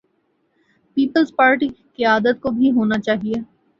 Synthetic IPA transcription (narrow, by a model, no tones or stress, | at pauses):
piːpəlzpaːɾʈikiaːd̪ət̪̚kobʱiɦoːnat͡ʃaːɦieː